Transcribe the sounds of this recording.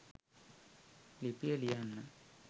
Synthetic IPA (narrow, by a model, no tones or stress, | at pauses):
lipiɐlijanːa